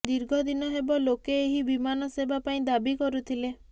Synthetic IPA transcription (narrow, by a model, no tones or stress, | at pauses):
d̪iɾɡʱɔd̪inɔɦebɔlokeːɦibimanɔsebapaĩd̪abikɔɾut̪ʰile